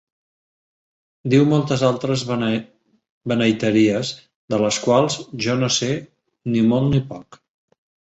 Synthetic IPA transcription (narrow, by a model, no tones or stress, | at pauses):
d̪iwmɔlˠt̪əzalˠt̪ɾəz | bənəjt̪əɾiəz | d̪ələskwalˠzʒɔnose | nimolˠnipɔk